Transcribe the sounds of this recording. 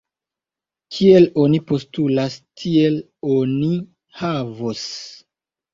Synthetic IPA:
kʰie̞lo̞nipo̞stulastʰie̞l | oni | havos

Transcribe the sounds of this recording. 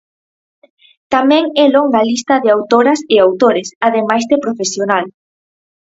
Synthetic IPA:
t̪amɛ̃ŋɛloŋɡalist̪ɐðɪawt̪oɾɐsɪawt̪oɾɪsaðemajzðepɾofesjonal

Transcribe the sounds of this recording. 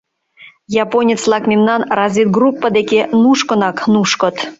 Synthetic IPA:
jɑponʲet͡slˠɑkmʲemnɑnrɑzʲit̪̚ɡrupːəd̪ekenuʃkə̆nɑknuʃkə̆t̪

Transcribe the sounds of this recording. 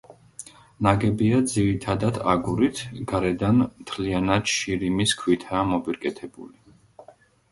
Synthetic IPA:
naɡɛbiad̪ziɾit̪ʰad̪ad̪aɡuɾit̪ʰɡaɾɛd̪anmt̪ʰlianad̪̥ʃiɾimiskʰwit̪ʰaːmɔbiɾkʼɛt̪ʰɛbṵli

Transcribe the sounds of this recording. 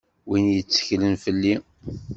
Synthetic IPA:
winjət͡sːə̥çlənfəlːi

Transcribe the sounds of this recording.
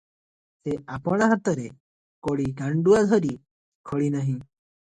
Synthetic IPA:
t̪ɛapɔɽ̃aɦat̪ɔɾɛ | koɽiɡaɳɖuad̪ʱɔɾi | kʰəɽinaɦĩ

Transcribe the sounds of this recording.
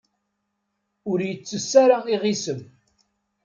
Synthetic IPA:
ʊɾjət͡sːəsːaɾaiʁisəm

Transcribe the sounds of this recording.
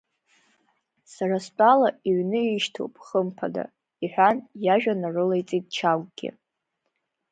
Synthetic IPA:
sarast͡pʼalaiɥnɨiʃtʰowpʼχəmpʰada̰ | iħʷᶣanjaʒᶣanarɨlejt͡sʼit̚ʼt͡ʃʰaɡʼɡ̥ʲɪ̰

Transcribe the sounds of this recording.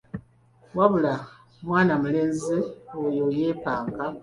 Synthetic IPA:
waβula | mwaːnamuleːnziojojeːpaːŋka

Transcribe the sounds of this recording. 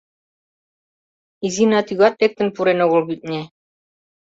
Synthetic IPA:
izinɑt̪yɣɑt̪̚ɾek̚t̪ɘ̆npuɾenoɣɤ̆lbit̪̚nʲe

